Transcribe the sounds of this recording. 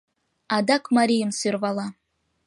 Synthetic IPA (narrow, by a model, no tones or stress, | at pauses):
ɑd̪akmaɾʲijəmsørvɑlˠɑ